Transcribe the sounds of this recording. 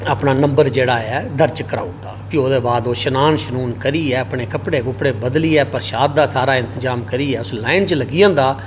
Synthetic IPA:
aːpnaːnəmbəɾd͡ʒeːɽaːɛːd̪əɾt͡ʃkəɾa̰ːud̪aːpioːd̪eːbaːd̪oːʃənaːnʃənuːnkəɾiːɛːəpɳeːkəpɽeːkʊpɽeːbəd̪liːɛːpəɾʃaːd̪̚d̪aːsaːɾaːɪ̃nt̪əzaːmkəɾiːɛːʊslaːɪnt͡ʃləɡɪjãːnd̪aː

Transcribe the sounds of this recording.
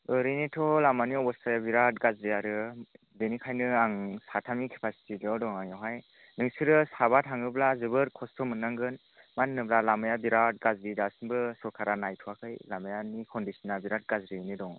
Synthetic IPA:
ɯɾinitʰɔlamaniɔbɔstʰajabiɾat̚ɡazɾiaɾɯ | denikʰajnɯaŋsatʰamikʰepʰasi̥tilɯdɔŋaŋjɔɦaj | nɯŋsɯɾɯsabatʰaŋɯblazɯbɯɾkʰɔstʰɔmɯnaŋɡɯn | manːɯblalamɯjabiɾat̚ɡazɾidasɯnbɯsɔkʰaɾanajtʰuakʰɯjlamajanikʰɔndisɔnabiɾat̚ɡazɾinidɔŋ

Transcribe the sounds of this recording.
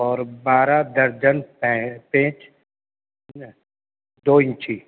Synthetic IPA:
ɔːɾbaːɾad̪ɐɾd͡ʒənpɛpẽːt͡ʃ | d̪oːɪ̃nt͡ʃi

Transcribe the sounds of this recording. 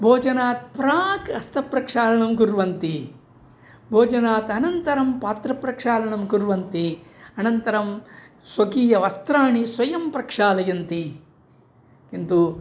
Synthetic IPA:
bʱoːd͡ʒɐnaːt̪̚pɾaːɡɐst̪ʰɐpɾɐkʂaːlɐɳɐmkuɾʋɐnt̪i | bʱoːd͡ʒɐnaːt̪ɐnɐnt̪ɐɾɐmpaːt̪ɾɐpɾɐkʂaːlɐɳɐmkuɾʋɐnt̪iɐnɐnt̪ɐɾɐm | sʋɐkiːjɐʋɐst̪ɾaːɳisʋɐjɐmpɾɐkʂaːlɐjɐnt̪i | kint̪u

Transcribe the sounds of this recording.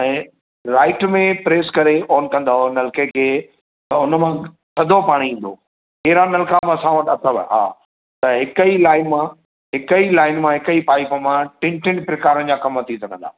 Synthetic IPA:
ɛ̃ː | ɾaːɪʈmẽpɾeːskɐɾeɔːnkɐ̃nd̪aɦonɐlkekʰeː | t̪ɐʊnəmã | sɐd̪ʱopaːɽ̃iĩːn̆d̪o̰ː | ɦeːɾanɐlkamãsãʋət̪ʰɐt̪ʰəʋə̰ɦa̰ː | t̪ɐɦɪkəilaːɪnmã | ɦɪkəilaːɪnmãɦɪkəipaːɪpəmãʈɪ̃ɳʈɪnpɾɪkaːɾənd͡ʑaːkɐmət̪ʰĩsɐkɐ̃nd̪a̰ː

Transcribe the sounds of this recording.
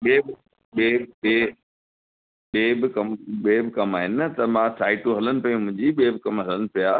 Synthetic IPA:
ɓeːbɪ | ɓeːɓeː | ɓeːbɪkɐmɓeːbɪkɐmaːɦɪnɪt̪ɐmãsʰaːɪʈuɦɐlənɪ̆pɐjũmʊ̃ɦɪ̃ɲd͡ʑiɓeːbɪkɐmɦɐlənɪ̆pija

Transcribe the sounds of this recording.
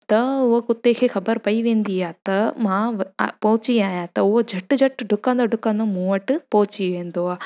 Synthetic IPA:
t̪ɐʋɐkut̪ːeːkʰekʰɐbɐɾpɐjʋend̪ijaːt̪ɐmãːʋ̰poːt͡ʃijaːjaːt̪ɐuʋɐd͡ʒʱɐʈːɨd͡ʒɐʈːɖukːãnd̪ɐɖukːãnd̪omuːʋɐʈɨpoːt͡ʃiʋeːnd̪oaː

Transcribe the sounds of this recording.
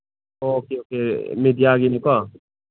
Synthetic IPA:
okeːoːkeːmɪd̪ijaːɡinĩka

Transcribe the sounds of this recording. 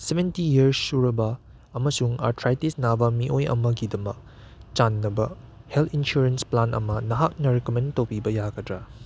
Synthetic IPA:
sebʱentijiɐɾsuɾɐbɐː | mɐsuŋa̰ɾtʰɾajtisnabɐmiʔojɐ̰mɐɡidɐmɐk̚ | t͡ʃanːɐbɐ | heltʰinsuɾensplanʔɐ̰mɐnɐɦak̚nɐɾekomẽntɐwpʰibɐjaɡɐdɾɐ

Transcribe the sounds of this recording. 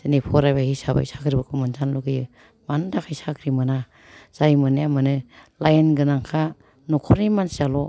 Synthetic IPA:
zɯnipʰɔɾajbahisaba̰jsakʰɾibɯkʰɯmɯnzanluɡɯjɯ | mandakʰajsakʰɾimɯna | z̥ajmɯnjamɯnɯlajenɡɯnaŋkʰa | nɔkʰɔɾimansialɔ

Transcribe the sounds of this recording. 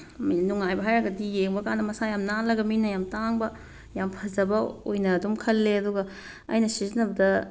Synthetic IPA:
mnuŋajbɐɦajɾɐɡɐdijeŋbɐkanːɐmɐsajamnalɐɡɐminɐjamtaŋbɐ | jampʰɐzɐbɐojnɐːdumkʰɐlːeɐduɡɐ | ɐ̰jnɐsizinɐbɐdɐ

